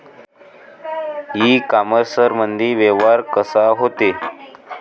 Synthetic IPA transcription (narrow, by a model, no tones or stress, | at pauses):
ɦiːkaməɾsəɾmənd̪ʱiːʋeʋaɾkəsaɦot̪e